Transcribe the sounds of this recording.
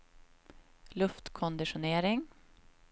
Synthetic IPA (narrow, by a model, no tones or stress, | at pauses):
lɵft̪kʰɔnd̪ɪʂʊneːɾɪŋ